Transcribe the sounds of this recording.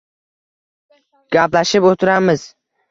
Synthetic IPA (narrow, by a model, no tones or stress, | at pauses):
ɡ̥aplaʃɪpot̪ʰɪɾamɪz̥